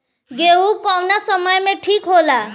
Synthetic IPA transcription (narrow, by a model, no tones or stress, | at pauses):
ɡeɦukɔwnasʌmʌjmeʈʰikɦola